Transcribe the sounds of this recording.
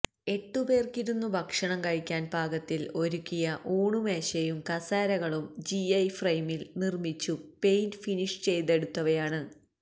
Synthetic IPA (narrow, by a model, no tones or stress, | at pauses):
e̞ʈːube̞ːrkiɾunːubʱɐkʂɐɳɐmkɐɻikʲːaːnbʱaːɡɐt̪ːilo̞ɾukʲːijɐʔuːɳume̞ːɕɐjumkɐsaːɾɐɣɐɭumd͡ʑiɐjfrɐjmilnirmit͡ɕːupe̞jnfiniʂt͡ɕe̞jt̪e̞ɽut̪ːɐʋɐjaːɳɨ